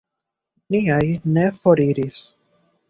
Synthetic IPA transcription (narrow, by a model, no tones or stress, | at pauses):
niajne̞fo̞ɾiɾis